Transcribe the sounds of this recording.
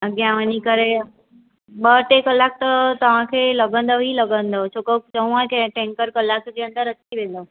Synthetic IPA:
ɡjãʋənikəɾe | ɓəʈekəlːaːk̚t̪ɐt̪ɐʋ̤ãkʰeːlɐɡə̃n̆d̪oɦilɐɡə̃nd̪ot͡ʃʰokot͡ɕəũãkẽʈẽŋkəɾkəlːaːkd͡ʑeːə̃nd̪əɾət̪ʰiʋẽːn̆d̪o

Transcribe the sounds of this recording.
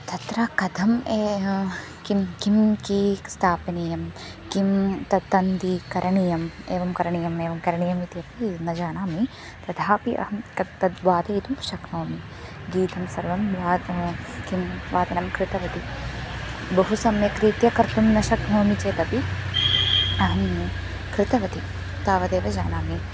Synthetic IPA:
t̪ɐt̪ɾɐkɐd̪ʱɐmeː | kimkimkiːst̪ʰaːpɐnijɐm | kimt̪ɐt̪ːɐnd̪ikɐɾɐɳijɐmeːʋɐmkɐɾɐɳijɐmeːʋɐmkɐɾɐɳijɐmit̪iɐpinɐd͡ʒaːnaːmi | t̪ɐd̪ʱaːpiʔɐ̰ɦɐmkɐt̪ːɐd̪ʋaːt̪ɐjit̪umʃɐknoːmi | ɡiːt̪ɐmsɐɾʋɐmʋaːkimʋaːt̪ɐnɐmkɾɪt̪ɐʋɐt̪i | bɐɦusɐmekɾiːt̪jɐkɐɾt̪umnɐʃɐknoːmit͡ʃeːt̪ɐpi | ɐɦɐm | kɾɪt̪ɐʋɐt̪i | t̪aːʋɐd̪eːʋɐd͡ʒaːnaːmi

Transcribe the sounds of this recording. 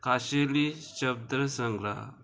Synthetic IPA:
kʰaɕeliɕəb̚d̪ɾəsə̃ŋɡɾa̰

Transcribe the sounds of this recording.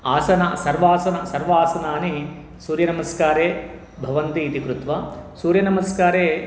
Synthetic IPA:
aːsɐna̰sɐɾʋaːsɐnɐsɐɾʋaːsɐnaːni | suːɾjɐnɐmɐskaːɾeː | bʱɐʋɐnt̪iːt̪ikɾut̪ʋɐsuːɾjɐnɐmɐskaːɾeː

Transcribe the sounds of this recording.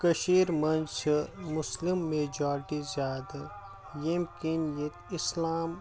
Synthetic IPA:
kɐʃiːɾmɐnt͡ʃʰmʊslimːeːd͡ʒaːɾʈizjaːd̪ | jemkinjɐt̪ɪslaːm

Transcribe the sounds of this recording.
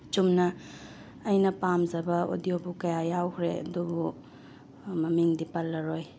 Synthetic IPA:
t͡ʃumnɐː | jnɐpamzɐbɐo̰diobukɐjajawkʰɾeɐ̰dubu | mɐmiŋdipɐlːɐɾoj

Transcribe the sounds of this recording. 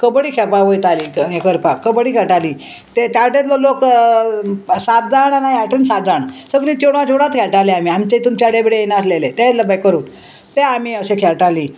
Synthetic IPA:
kəbɽiːkʰɛpaʋojt̪aliːekəɾpakəbəɽiːkʰɛɭʈaliː | t̪et̪jaɽet̪lolok | sat̪̚d͡zaɳanajaʈənsat̪̚d͡zaɳsəkɾĩt̪eɽʋad͡ʑoɽat̪kʰɛɭʈaleamiːamt͡ɕet̪umt͡ɕaɽebiɽejenaslelet̪et̪ləbəjkəɾuːn | t̪eamiəsekʰɛlʈaliː

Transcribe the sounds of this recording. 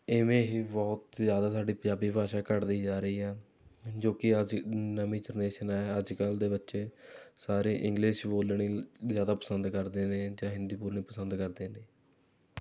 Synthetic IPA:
ɪmẽːɦiːbɔːt̪zjaːd̪aːt̪saːɖiːpə̃d͡ʒjaːbiːbʱaːʃaːkəɾd̪iːd͡ʒaːɾəiːɛː | d͡ʒoːkɪəd͡ʒnəmĩːd͡ʒəɾneːʃənaːɛəd͡ʒkəld̪eːbətːʃeːsaːɾeːʔɪ̃ŋɡlɪʃboːlɳiːzjaːd̪aːpəsənd̪kəɾd̪eːnẽːd͡ʒãːɦɪ̃nd̪iːpuːɾɳiːpəsənd̪kəɾd̪eːneː

